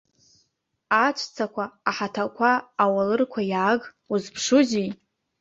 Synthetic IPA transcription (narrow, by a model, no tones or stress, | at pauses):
at͡ʃʷʰʼt͡sʰakʷʰaːħatʰakʷʰaːwalɨrkʷʰajaːɡ | uzpʰʂuzij